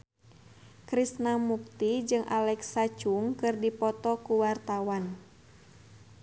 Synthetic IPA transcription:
kɾisnamuk̚t̪id͡ʒɨŋʔa̰lɛksat͡ʃuŋkɨrdipɔt̪ɔkuwart̪awan

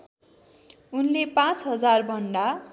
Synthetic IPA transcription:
unlepãt͡sɦʌd͡zarbʱʌɳɖa

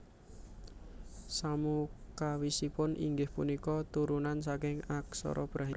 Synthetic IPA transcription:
samukawisipʊnʔḭŋɡɪhpunikɔt̪uɾunansakɪŋaksɔ̰ɾʔɔ̰b̥ɾaɦi

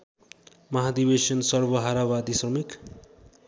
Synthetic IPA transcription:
mʌɦad̪ibesʌnsʌrbʌɦaɾabad̪isrʌmik

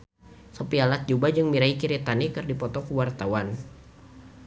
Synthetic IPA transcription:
sɔpialat̪̚d͡ʒubad͡ʒɨŋmiɾaikiɾit̪anikɨrdipɔt̪ɔkuwart̪awan

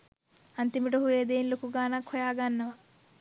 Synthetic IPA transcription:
ɐnt̪imiʈɐɦueːd̪eːnlukuɡaːnakʰɔjaːɡanːɐʋɐ

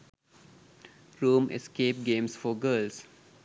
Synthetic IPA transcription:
ɾuːmḛskeːp̚ɡẽːmsfɔːɡəːls

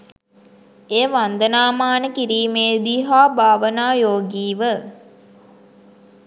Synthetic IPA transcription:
eːʋand̪ənaːmaːnəkiɾiːmeːd̪iɦaːbʱaːʋənaːjoːɡiːʋə

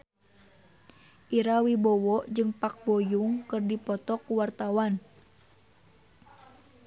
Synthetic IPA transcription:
ʔiɾawibɔwɔʔd͡ʒɨŋpak̚bɔjuŋkɨrdipɔt̪ɔkuwart̪awan

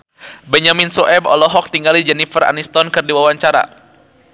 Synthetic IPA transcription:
bɛɲaminsɔʔɛbɔ̰lɔɦɔk̚t̪iŋɡalid͡ʒɛnifəra̰nist̪ɔnkɨrdiwawaɲt͡ʃaɾa̰

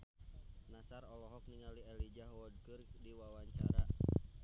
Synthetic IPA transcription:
nasarɔlɔɦɔk̚niŋaliɛlid͡ʒaɦwɔd̚kɨrdiwawaɲt͡ʃa̰ɾa

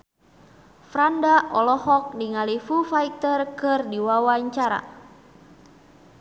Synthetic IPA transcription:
fɾandaʔɔlɔhɔk̚niŋalifufait̪ərkɨrdiwawaɲt͡ʃaɾa̰

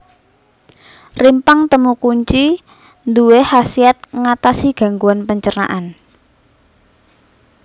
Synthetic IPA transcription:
rimpaŋt̪əmukuɲt͡ʃi | nd̪uwehasiat̪̚ŋat̪asiɡ̥a̤ŋɡuanpəɲt͡ʃəna̰ʔan

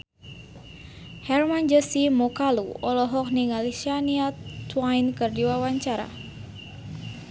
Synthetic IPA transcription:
hɛrmand͡ʒəsimɔkaluɔlɔɦɔk̚niŋalisianiat̪wajnkɨrdiwawaɲt͡ʃaɾa̰

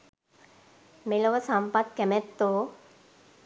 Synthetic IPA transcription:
meloʋəsampat̪̚kɛmɛt̪ːoː

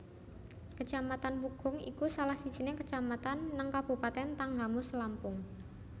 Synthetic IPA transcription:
kət͡ʃamat̪anpuɡ̥ʊ̤ŋḭkusalahsid̥ʒ̥i̤nɪkə̥t͡ʃamat̪anːaŋkab̥ṳpat̪ɛnt̪aŋɡamʊsəlampʊŋ

